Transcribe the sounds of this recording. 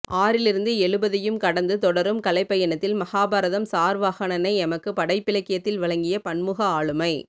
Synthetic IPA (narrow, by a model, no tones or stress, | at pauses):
ʔaːɾɪlɪɾɯnd̪ɯɛɭɯbɐðɐjɯmkɐɽɐnd̪ɯt̪ɔɽɐɾɯmkɐlɐɪpːɐjɐnɐt̪ːɪlmɐhaːbaɾɐðɐmsaːɾʋaːɣɐɳɐnɐɪɛmɐkːɯpɐɽɐɪpːɪlɐɪkːɪjɐt̪ːɪlʋɐɭɐŋɡɪjɐpɐɳmɯɣɐaːɭɯmɐɪ